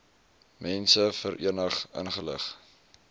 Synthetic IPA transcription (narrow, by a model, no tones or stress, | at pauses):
mɛnsəfəɾʔḭənəχə̰nχələ̰χ